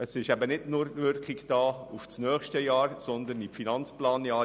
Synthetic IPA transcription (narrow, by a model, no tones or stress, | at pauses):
əsɪʃæbənɪdnʊɾtʋɪɾkχiɡd̥ɑːuft͡snœːχʃtəjɑːɾsɔnd̪ənifinɑnt͡splɑːnjɑː